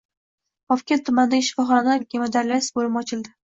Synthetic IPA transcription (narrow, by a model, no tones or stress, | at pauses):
ɒfkʲat̪ʰʊmand̪aʃɪ̥fɒχɒnanaɡʲemad̪aɾlasbolɪmɒt͡ʃʰɪld̪ɪ